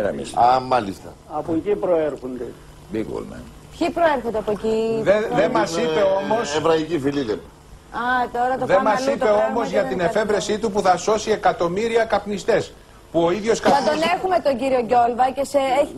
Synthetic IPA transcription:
ɾɐ̰ɐmɐlist̪ɐ | ɐpocipɾoeɾxond̪e | biɡo̰lmɐ̰n | pçipɾoeɾxond̪eɐpoeciðeðemɐsieo̞mo̞sevɾɐicifiliðeɾ | ɐt̪o̞ɾɐt̪oðemɐsitpe̞o̞mo̞zʝɐt̪ine̞fe̞vɾe̞sit̪up̬uθɐso̞sie̞kɐt̪o̞miɾiɐkɐpnist̪e̞s | puo̞iðʝo̞skɐɐt̪one̞xumet̪o̞ɲɟiɾio̞ɟo̞lvɐce̞see

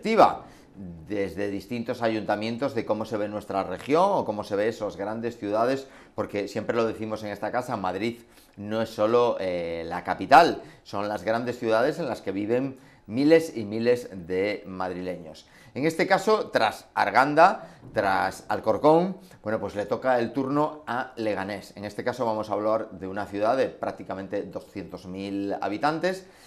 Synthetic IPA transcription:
t̪iβa̰ | d̪e̞zðeðist̪int̪o̞saʝunt̪amjẽ̞nt̪o̞zðe̞ko̞mo̞se̞β̞e̞nwe̞st̪ɾare̞xjo̞ŋo̞ko̞mo̞se̞β̞e̞esozɣɾand̪e̞sθjuðað̞e̞s | po̞ɾke̞sje̞mpɾe̞lo̞ð̞eθimose̞ŋe̞st̪akasamaðɾið | no̞e̞sːo̞lo̞elakapit̪also̞nlazɣɾand̪e̞sθjuðað̞e̞s̬e̞nlaske̞β̞iβe̞ŋ | mile̞simile̞zðe̞mað̞ɾile̞ɲo̞̰s | e̞ŋe̞st̪e̞kaso̞t̪ɾasa̰ɾɣ̞and̪at̪ɾasa̰lko̞ɾko̞ŋ | bwe̞no̞pwe̞zle̞t̪o̞kae̞lt̪uɾno̞ale̞ɣ̞ane̞se̞ŋe̞st̪e̞kaso̞βamo̞saβlaɾðe̞unaθjuðaðe̞pɾak̚t̪ikamẽnt̪e̞ðo̞sθje̞nt̪o̞zmila̰βit̪ant̪e̞s

